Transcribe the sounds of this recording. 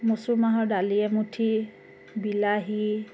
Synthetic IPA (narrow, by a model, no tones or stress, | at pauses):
mosʊmaɦɔɹdaliɛmutʰi | bilaɦi